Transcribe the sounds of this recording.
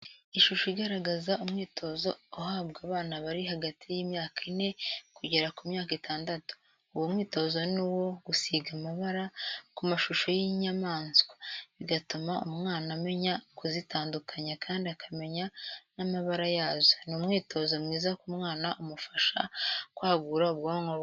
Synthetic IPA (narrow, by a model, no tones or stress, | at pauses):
iʃuʃoiɡaɾaɡazaumŋiːtʰo̞zo̞ːɦaːbɡaːβaːnaβaɾiɦaɡatʰijiːmɲaːkine̞kuɟe̞ɾakumɲaːkitaːndatu̥ː | womŋiːto̞zo̞niwo̞ɡusiɡamaβaɾakumaʃuʃo̞jiɲamaːnsɡwḁβiɡatumaumŋaːname̞ɲakuzitaːndukʰaɲakaːndiakʰame̞ɲanamaβaɾajaːzonumŋiːtʰo̞zo̞mŋiːzakumŋaːnaʔumufaʃa̰kwaːɡuːɾaoβɡoŋo